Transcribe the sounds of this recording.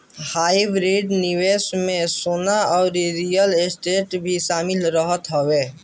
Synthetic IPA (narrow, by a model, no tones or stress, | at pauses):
haːɪbɾiɖnɪweːsmẽsoːnaɔːɾɾijəlesʈeːʈbʱiʃaːmɪlɾəɦət̪ɦoʋeː